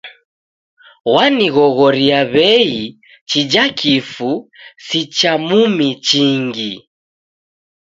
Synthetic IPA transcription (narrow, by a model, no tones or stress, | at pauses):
waniɣɔɣɔɾiaβɛi | t͡ʃid͡ʒakʰifusit͡ʃamumit͡ʃiŋɡi